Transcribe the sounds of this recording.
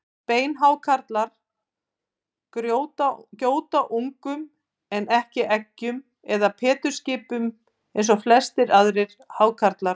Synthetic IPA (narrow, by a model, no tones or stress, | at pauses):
peːjnɦaːwkʰaɾt̪laɾ̥ | kɾjowt̪acoːwt̪aʔuŋkʏm | ɛnɛhcɪʔɛcːʏm | ɛðapʰɛːt̪ʏɾ̥scɪːpʏm | ejns̬ɔflɛst̪ɪɾaðɾɪɾ̥ | haːwkʰaɾt̪laɾ